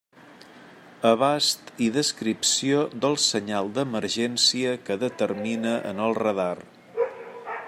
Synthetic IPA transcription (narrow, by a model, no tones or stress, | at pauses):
əβast̪iðəskɾipsiod̪əlˠsəɲalˠd̪əməɾʒɛnsiəkəðət̪əɾminəʔə̰nəlˠrəðar